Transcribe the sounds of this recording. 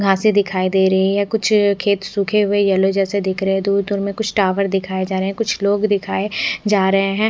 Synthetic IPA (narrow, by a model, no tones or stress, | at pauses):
ɡʱãːsid̪ɪkʰaːid̪eːɾɐɦiɦɛ̃kʊt͡ʃʰkʰeːt̪suːkʰeɦʊejɛlod͡ʒɛːsed̪ɪkʰɾɐɦɛ̃d̪uːɾd̪ʊɾmẽkʊt͡ʃʰʈaːʋəɾd̪ɪkʰaːed͡ʒaːɾəɦɛ̃kʊt͡ʃʰloːɡd̪ɪkʰaːed͡ʒaːɾɐɦeɦɛ̃